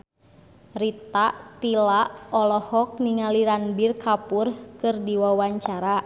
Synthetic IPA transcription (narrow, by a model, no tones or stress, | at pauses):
rit̪aʔt̪ilaʔɔlɔhɔk̚niŋaliɾanbirkapurhkɨrdiwawaɲt͡ʃaɾa